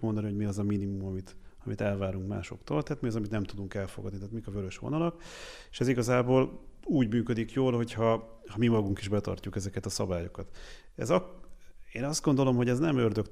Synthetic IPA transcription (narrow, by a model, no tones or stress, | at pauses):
mo̞nd̪ɒnihoɟmiɒzɒminimumɒmit̪ɒmit̪ɛlvaːɾuŋkma̰ːʃo̞̰kt̪o̰ːlt̪ɛːt̪miɒzɒmit̪nɛmt̪ud̪uŋkɛlfo̞̰ɡɒd̪niɛːt̪mikɒvøɾøʃʋo̰nɒlɒkeːʃɛziɡɒzaːboːluːɟmyːkød̪ikjoːlho̞chɒhɒmimɒɡuŋkiʒbɛt̪ɒ̰rcukɛzɛkɛt̪ɒsɒbaːjo̞kɒt̪ | ɛ̰zɒ | eːnɒzd̪ɡo̞nd̪o̞lo̞mɦo̞ɟɛznɛmørd̪økt̪